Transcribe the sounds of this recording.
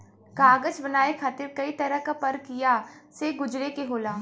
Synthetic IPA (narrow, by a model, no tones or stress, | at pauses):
ɡaːɡəd͡ʒbɐnaːekʰaːt̪ɪɾkɐit̪ɐɾəɦkapɐɾkijaseɡʊd͡ʒɾekeɦoːlaː